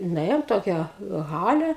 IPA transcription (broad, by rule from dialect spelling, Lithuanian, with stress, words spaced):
nʊˈeːjoːm ˈtoːkʲæː ˈɣɑːlʲɛ